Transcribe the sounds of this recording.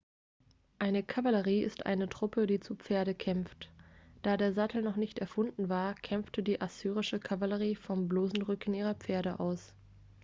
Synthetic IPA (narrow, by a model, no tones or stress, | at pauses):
ʔaɪnəkʰavaləʁiːʔɪ̰stʔa̰ɪnətʁ̥ʊpədiːt͡sup͡feːɐɾəkʰɛmftd̥aːdeːɐzatl̩nɔχnɪçtɛɐfʊndn̩vaːɐkʰɛmftədiːʔasyːʁ̞ɪʃəkʰavaləʁ̞iːfɔmbloːzn̩ʁʏkn̩iːʁɐp͡feːɐɾəʔaʊs